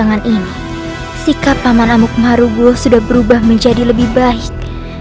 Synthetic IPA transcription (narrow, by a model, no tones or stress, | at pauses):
aŋanʔini | sikapːamanamuk̚maɾuɡɔsudahbəɾubahməɲd͡ʒadiləbɪhbaɪk̚